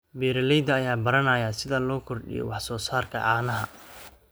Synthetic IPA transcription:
bɛːɾɐlɛjd̪ɐːjaːbɐɾɐnɐːjaːsɪðɐlɔːkʰɔrɖɪ̰jɔ̰wɑħsɔːsaːrkʰɐ̰ʔaːnɐɦɐ

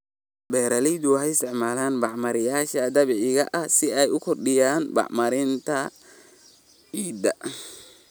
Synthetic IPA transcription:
bɛːɾɐlɛjd̪ʊɦɛɪst̪ʰɛʕmaːlaːnbɑʕmɐɾɪjaːʃɐd̪ɐβɪʕɪɣɐʔɐhsɪɛjʊkʰɔrɖɪjaːnbɑ̰ʕmɐɾɪnt̪ʰɐ | ʕiːd̪ɐ

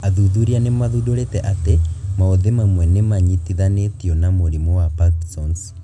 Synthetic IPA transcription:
aðuðuɾianemaðudoɾetɛʔatemaoðemamwɛnemaɲitiðanetiɔnamoɾimɔwapaksɔns

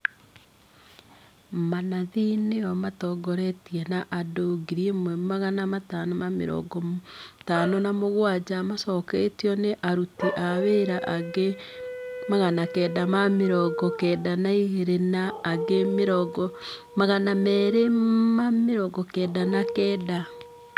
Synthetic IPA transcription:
manaðineɔmatɔɡɔɾɛtiɛnaʔadoɡiɾiemwɛmaɣanamatanɔmamḛɾɔ̰ɡɔtanɔnamoɣwad͡ʑamasɔketiɔneʔaɾutiʔaβeɾaʔaɡe | maɣanakɛːdamameɾɔɡɔkɛːdanaiɦeɾenaːɡemɾɔɡɔ | maɣanamɛɾemameɾɔɡɔkɛːdanakɛda

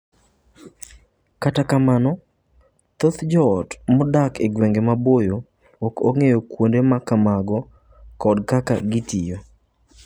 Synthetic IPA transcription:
katakamanɔ | t̪ot̪d͡ʒɔːtmɔdakeɡwɛŋɡemabojo | ɔkoŋejokwondemakamaɡɔ | kɔdkaka̰ɡɪtijo

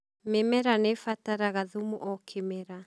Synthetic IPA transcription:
memɛɾanefataɾaɣaðumuʔɔkʰemɛɾa

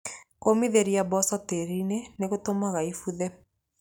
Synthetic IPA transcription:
komiðeɾiabɔsɔteɾineneɣotomaɣaifuðɛ

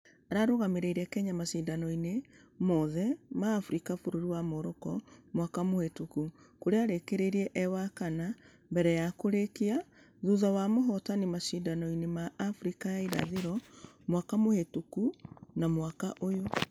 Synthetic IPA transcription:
aɾaɾoɣameɾeiɾɛkɛɲamaʃindanɔine | mɔðɛmaːfuɾikafoɾoɾiwamoɾɔkɔmwakamohetuku | koɾeaɾekeɾeɾiɛʔɛwakana | mbɛɾɛjakoɾekia | ðuðawamoɦɔtanimaʃindanɔinemaːfuɾikajaiɾa̰ðeɾɔ | mwakamohetukunamwakaʔojo

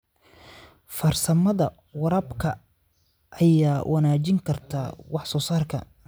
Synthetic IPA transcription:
fɐrsɐmɐðɐ | wɑɾɐbkʰɐ | ʔɐjaːwʔɑnaːt͡ʃɪŋkʰɐrt̪ʰa̰ːwɑħsɔːsaːrkʰɐ̰

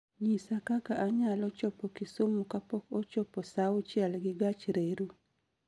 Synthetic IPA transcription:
ɲisakakaʔaɲalɔt͡ʃɔpɔkɪsomukapɔkɔt͡ʃɔposaʊt͡ʃjɛlɡɪɡat͡ʃɾeɾu

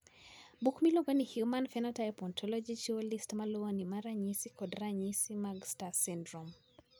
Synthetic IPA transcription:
bukmiloɡanihjumanfɛnatajpɔntʰɔlɔd͡ʒit͡ʃiolistmalɔonimaɾaɲisikɔdɾaɲisimaɡstasindɾum

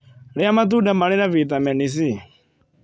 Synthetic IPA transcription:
ɺɛamat̪udamaɺɛnavit̪amɛnis̬i

